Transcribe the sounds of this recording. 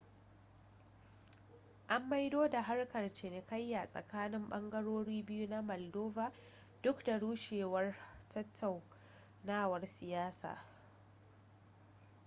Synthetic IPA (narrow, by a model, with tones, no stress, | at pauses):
ʔa˦mːa˦jdoː˦da˨ɦa˦rkɐ˨rt͡ʃɪ˨ne˨kɐ˦jːa˨sʼɐ̰˨kaː˦nɪ˦mɓɐ˦ŋɡɐ˦ɽoː˦ɽiː˦bɪ˦ju˦na˦mɔ˨ldoː˦vaː˨ | d̥ʊ˦kda˨ɽuː˦ʃeː˨wɐ˦rtʰɐ˦tʰːa˨w | naː˦wɐ˨rsɪ˨jaː˦sa̰ː˨